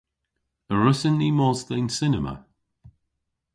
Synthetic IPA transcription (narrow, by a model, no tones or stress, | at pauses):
əɹəsɪnːiːmɔzd̪ɛjnsɪnəmə̰